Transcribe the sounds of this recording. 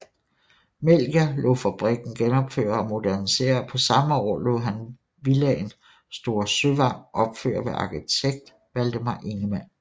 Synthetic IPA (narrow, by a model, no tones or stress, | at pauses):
mel̰ɡ̥ælɔ̰ːfæb̥ʁiɡ̥n̩ɡ̥enɒ̽b̥fø̰ːɐɒmo̝dæɐnise̝̰ːɐpʰɒ̽sɑ̈məɒ̰ːlo̰ːɦæn | ʋilɛen | sd̥o̝ːɐ̰søʋɑ̈ŋ̰ʔɒ̽b̥fø̰ːɐʋeʔɑ̈kʰit͡sʰeɡ̥̚d̥ | ʋæld̥əmɑ̈ʔe̝ŋəmæn̰